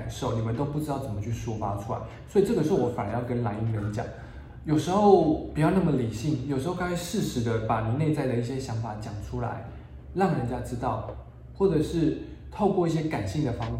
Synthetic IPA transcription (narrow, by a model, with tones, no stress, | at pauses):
nʂo˥˩ʊni˨˩mə˦nt̪o˥ʊpu˥˩ʈ͡ʂɻ̩˥ɑ˥˩ʊt͡sə˨˩mə˦t͡ɕʰy˥˩ʂu˥fa˥ʈ͡ʂʰu˥la̰˧˦ɪswɔ˧˥i˨˩ʈ͡ʂɤ˥˩ɡə˩ʂ̬̩˧˥o˥˩wɔ˧˦fa˨˩nə˨˦˥jɑ˥˧˩ʊkə˦nla˧˥ɪi˧˥ə˧˥n˩t͡ɕjɑ̰˨˩˦ŋ | jo˨˩ʊʂɻ̩˧˥xo˥˩ʊpu˨˩t͡ɕjɑ˥˧ʊna˥˩mə˨˩li˨˩ɕi˥˩ŋjo˨˩ʊʂɻ̩˧˥xo˥˩kɑ˥ŋ˥˧ɪʂɻ̩˥˩ʂɻ̩˧˥d̪ə˧pa˨˩ni˨˩˦ne˥˧ɪt͡sa˥˩ɪd̪ə˩i˥˩ɕjɛ˦˥ɕjɑ˧˥ŋfa˨˩t͡ɕjɑ˨˩ŋʈ͡ʂʰu˥la̰˧˦ɪ | ɻɑ˥˩ŋɻə˧nt͡ɕja˦˥ʈ͡ʂɻ̩˥t̪ɑ˥˩ʊ | xwɔ˥˩ʈ͡ʂɤ˨˩ʂɻ̩˥˧t̪ʰo˥˧ʊkwɔ˥˧i˥˩ɕ̬jɛ˥ka˨˩nɕi˥˩ŋd̪ə˩fɑ˥ŋf